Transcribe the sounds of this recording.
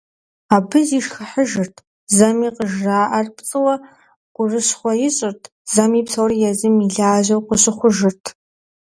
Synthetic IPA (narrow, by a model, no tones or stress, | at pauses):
aːbɨziːʂxɐħəʒɨrtʰ | zɐmiːqəʒraːʔɐrpt͡sʼɨwɐ | qʷʊrɨɕχʷɔjɪɕʼɪrtʰ | z̥ɐmiːpsɐwrijɛzɨmiɮaːʒɐwqʷʊɕʼɪχʷʊʒɪrtʰ